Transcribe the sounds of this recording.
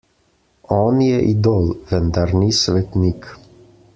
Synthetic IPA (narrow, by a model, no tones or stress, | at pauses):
ɔnjɛʔid̪olvɛnd̪aɾnisvɛt̪nik